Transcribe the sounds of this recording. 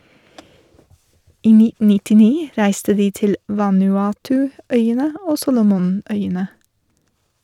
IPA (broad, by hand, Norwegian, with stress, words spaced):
ˈiː ˈnɪtn̩ nɪtɪˈniː ˈɾæɪstə ˈdiː ˈtɪl ʋɑnʉˈɑːtʉˌœʏənə ˈoː ˈsuːlʊmʊˌnœʏənə